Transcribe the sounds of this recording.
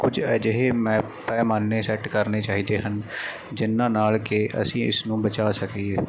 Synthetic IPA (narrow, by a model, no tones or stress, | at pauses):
kʊd͡ʒɛːd͡ʒɪɦeːmɛ̃ː | pɛːmaːnːeːsɛːʈkəɾneːt͡ʃaːɦiːd̪eːɦən | d͡ʒɪnːãːnaːlkeʔə̰sĩːɪ̰snũːbət͡ʃaːsəkieː